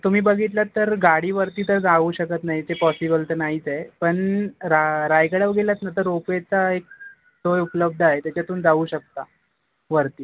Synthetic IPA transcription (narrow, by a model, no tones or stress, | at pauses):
t̪um̤iːbəɡʱit̪lat̪ːəɾɡaɽiːʋəɾt̪iːt̪əɾd͡zaʋuːɕəkət̪naɦit͡sepɔsibəlʈ̪ənaɦit͡saepəɳɾaɾajkəɽəʋɡelat͡snat̪əɾːopet͡saek̚ | sojupləb̚d̪ʱaɦet̪jat͡ɕat̪uːnd͡zaʋuːɕək̚t̪a̰ | ʋəɾt̪iː